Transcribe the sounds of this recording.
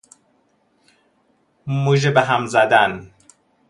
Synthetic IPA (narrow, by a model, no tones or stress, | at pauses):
muʒebeɦæmzæd̪æn